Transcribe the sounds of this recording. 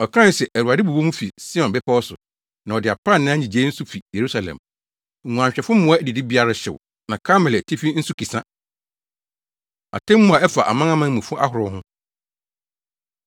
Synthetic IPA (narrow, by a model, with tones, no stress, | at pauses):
ɔ˨kʰã˦n˦sɛ˨ʔæ˨ɾu˨a˨dɪ˦bu˨bo˦mũ˦fi˨si˦ɔ̃˨nbɛ˦pʰa˦wɔ˦sʊ˨ | nã˨ɔ˨dɪ˨a˨pʰã˦˨nːã˦ɲĩ˨d͡ʑe˦n̩˦su˦fi˨je˨ɾu˦sa˨lɛ̰̃˨m̩˨ | ŋũ˨ã˨ɲ˨ɕᶣɛ˨fʊ̃˦mʊ̃˦a˦dɪ˨dɪ˦bi˦a˦ɾa˦ɕɪ̰˨w | nã˨kʰa˦mɛ˨ltʰi˦fi˦n̩˦su˦ki˨sã˦ | a̰˨tʰɛ̃˦mː˦ʊ̃˦a˨ɛ˦fa˨ʔa̰˨mã˦ŋã˦mã˦n˦mũ˨fʊ˦ʔa˦hʊ˨ɾʊ˦ɦʊ̃˦